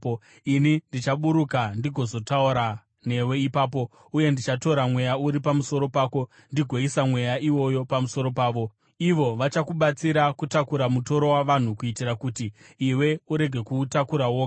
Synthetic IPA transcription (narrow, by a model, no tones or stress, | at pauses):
inindit͡ʃaɓuɾukandiɡʱo̞zo̞tauɾa | ne̞we̞ipaːp̬o̞ | uje̞ndit͡ʃato̞ɾamwe̞jauɾipamuso̞ɾo̞paːko̞ | ndiɡʱo̞isamwe̞jaʔiwo̞jo̞pamuso̞ɾo̞paːʋo̞ | iʋo̞ʋat͡ʃakuɓat͡siɾakutakuɾamuto̞ɾo̞waʋan̤ukuitiɾakutiː | we̞uɾe̞ɡʱe̞kutakuɾawoːka